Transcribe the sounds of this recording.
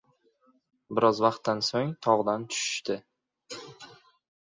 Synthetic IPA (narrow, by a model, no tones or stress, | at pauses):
bɪɾɒzvaqt̪ːansoŋt̪ʰɒʁd̪ant̪ʰʊ̥ʃɪ̥ʃt̪ɪ